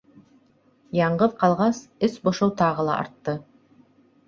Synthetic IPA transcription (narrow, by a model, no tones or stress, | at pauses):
jɑɴʁəðqʰɑlˠʁɑsɪsboʃowt̪ʰɑʁəlˠɑ̰ʔɑ̰ɾt̪ːə